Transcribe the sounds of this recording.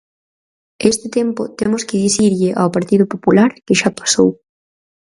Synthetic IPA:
est̪ɪt̪empʊ̰t̪emʊskɪðiθiɾʎɪʔawpaɾt̪iðʊpopulaɾkɪʃapḁsow

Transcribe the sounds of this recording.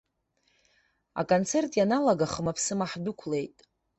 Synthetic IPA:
a̰kʼont͡sʰe̞rtʼjanalaɡaχəmapʰsɨmaħdʊkʷʰle̞jtʼ

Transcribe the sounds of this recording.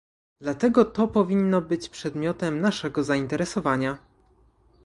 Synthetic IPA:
d̪lat̪ɛɡɔt̪ɔpɔvʲinːɔbɘt͡ɕpʂɛd̪mʲjɔt̪ɛmnaʂɛɡɔzaint̪ɛɾɛsɔvaɲa

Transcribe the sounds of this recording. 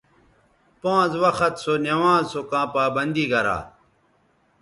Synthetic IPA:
pãːzwɐxɐt̪sonɐwãːzsokãːpaːbɐnd̪iːɡɐɾa̰ː

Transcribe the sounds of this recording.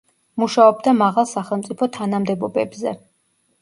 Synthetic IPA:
muʃaɔbd̪amaʁalˠsaχɛlˠmt̪sʼipʰɔt̪ʰanamd̪ɛbɔbɛbzɛ

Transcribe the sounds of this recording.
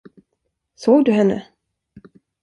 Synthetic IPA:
soːɡd̪ɵɦɛnːə̰

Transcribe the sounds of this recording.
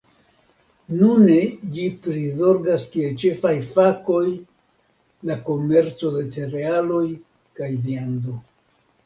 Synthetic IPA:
nuned͡ʒipɾizo̞ɾɡaskie̞lt͡ʃe̞fajfako̞j | lako̞me̞ɾt͡so̞d̪e̞t͡se̞ɾe̞alo̞j | kajviand̪o

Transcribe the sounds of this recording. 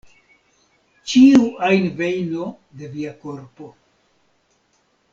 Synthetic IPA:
t͡ʃiuajnve̞jno̞ | de̞viako̞ɾpo̞

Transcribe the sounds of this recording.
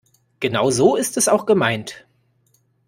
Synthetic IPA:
ɡ̥ənaʊzoːɪstɛsaʊxɡ̥əmaɪnt

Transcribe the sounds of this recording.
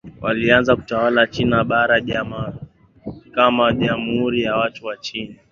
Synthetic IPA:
wʔa̰lianzaku̥tawalat͡ʃinaɓaɾaʄama | kamaʄam̩uhuɾijawatuwat͡ʃina

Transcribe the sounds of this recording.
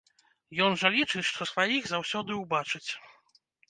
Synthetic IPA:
jɔnʐɐlʲit͡ʂɨt͡sʲʂt̪ɔsvajiɣzawsʲɔd̪ɨuwbat͡ʂɨt͡sʲ

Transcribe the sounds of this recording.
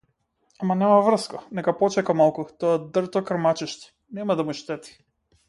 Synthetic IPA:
amanɛmavr̩skanɛkapɔt͡ʃɛkamalˠkut̪ɔad̪rt̪ɔkɾ̩mat͡ʃiʃt̪i̥ | nɛmad̪amuʃt̪ɛt̪i̥

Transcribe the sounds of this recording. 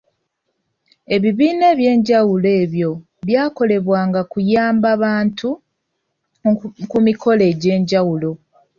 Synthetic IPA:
e̞βiβiːne̞ːβje̞ːɲɟawule̞ːβjo̞ | βjaːko̞le̞βwaːŋɡakujaːmbaβaːntu | kumikʰo̞le̞ːɟe̞ːɲɟawulo̞

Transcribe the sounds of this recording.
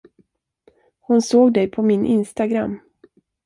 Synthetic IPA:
hʊnsoːɡd̪ɛjpʰɔmɪnʔɪ̰nst̪aɡɾa̰mː

